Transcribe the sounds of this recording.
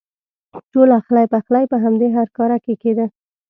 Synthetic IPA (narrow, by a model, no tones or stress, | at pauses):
ʈolaxlajpaxlajpəɦamd̪eɦaɾkɑɾakeked̪ə